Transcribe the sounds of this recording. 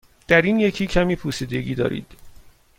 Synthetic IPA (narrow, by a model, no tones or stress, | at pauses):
d̪̥æɾiːnje̞cʰiːcʰæmiːpʰusiːd̪e̞ɟiːd̪ɒ̰ːɾḭːd̪̥